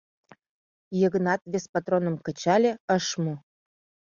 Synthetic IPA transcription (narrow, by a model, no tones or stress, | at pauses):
jə̆ɣə̆nɑt̪βʲespat̪ɾonə̆mkə̆t͡ɕɑlʲĕəʃmu